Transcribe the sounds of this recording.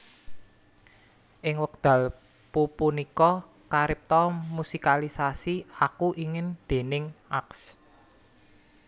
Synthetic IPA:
ʔɪŋwək̚d̪̥ä̤l | pupunikɔ | kaɾɪp̚t̪ɔmusikalisasiakuʔiŋɪnd̪̥e̤nɪŋʔaks

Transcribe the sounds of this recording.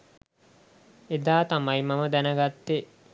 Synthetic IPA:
ed̪aːt̪amajmaməd̪ænəɡat̪ːe

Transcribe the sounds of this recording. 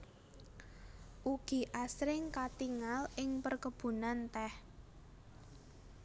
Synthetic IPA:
ʔuɡ̥i̤ʔasɾɪŋkat̪iŋalɪŋpərkəb̥ṳnant̪ɛh

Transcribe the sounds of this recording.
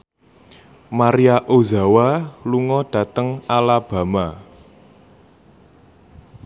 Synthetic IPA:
maɾiaʔoza̤waluŋɔɖ̥ä̤t̪əŋalab̥a̤ma

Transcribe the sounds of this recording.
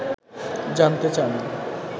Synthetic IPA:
d͡ʑant̪et͡ɕan

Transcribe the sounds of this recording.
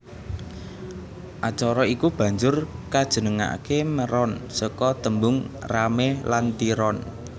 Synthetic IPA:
ʔat͡ʃɔɾɔikub̥a̤ɲd͡ʒʊrkad̥ʒ̥ə̤nəŋa̰keməɾɔnsɔkɔt̪əmbʊŋramelant̪iɾɔn

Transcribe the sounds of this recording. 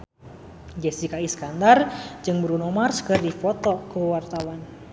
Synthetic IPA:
d͡ʒɛsikaiskand̪ard͡ʒɨŋbəɾunɔmarskərdifɔt̪ɔkəwart̪awan

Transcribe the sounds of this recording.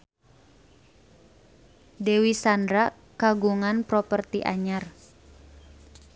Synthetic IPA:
dewisandɾa | kaɡuŋanpɾɔpərt̪iʔa̰ɲar

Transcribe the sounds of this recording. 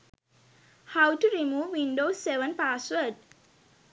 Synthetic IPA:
hawʈuɾimuːʋːĩnɖoːseʋə̃npaswəɖ

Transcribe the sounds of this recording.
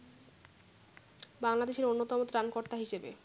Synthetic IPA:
baŋlad̪eʃeɾonːot̪ɔmot̪ɾankoɾt̪aɦiʃebḛ

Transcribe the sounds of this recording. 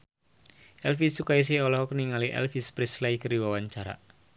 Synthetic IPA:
ʔɛlfisukais̬iɔlɔhkəniŋaliʔɛ̰lfispɾislajkəɾiwawaɲt͡ʃaɾa̰

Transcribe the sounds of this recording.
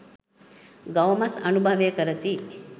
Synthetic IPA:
ɡɐʋmɐsɐnubʱɐʋekɐɾɐt̪i

